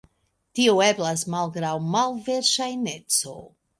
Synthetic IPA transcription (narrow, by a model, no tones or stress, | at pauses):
tioe̞blasmalɡɾawmalve̞ɾʃajne̞t͡so̞̰